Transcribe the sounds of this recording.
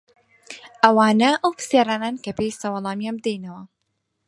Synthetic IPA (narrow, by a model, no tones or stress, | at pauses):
ʔɐwaːnɐʔɐwpɨ̥sjaɾaːnaːnkɐpejsɐwɑlˠɑːmijaːmd̪ejnɐwɐ